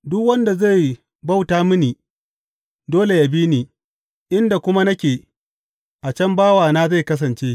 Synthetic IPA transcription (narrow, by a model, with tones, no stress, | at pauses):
dʊ˦kwɐ˦nda˨za˦˨j | ba˦wtaː˦mʊ˦niː˨ | doː˦le˨ja˨biː˦niː˨ | ʔɪ˦nda˨kʷʊ˦ma˦nɐ˦kʲeː˨ | ʔa˨t͡ʃɐ˦mbaː˦waː˨naː˦za˦˨jkɐ˦s̬ɐ˨nt͡ʃeː˦